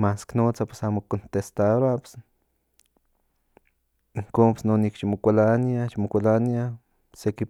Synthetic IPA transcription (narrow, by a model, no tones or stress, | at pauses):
masknot͡sapwe̥samokont̪est̪aɾaps | iŋkoːnpe̥snonikʃimokʷalaniaʃimokʷalania | seki